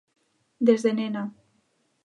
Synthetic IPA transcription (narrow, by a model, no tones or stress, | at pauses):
d̪ezðenena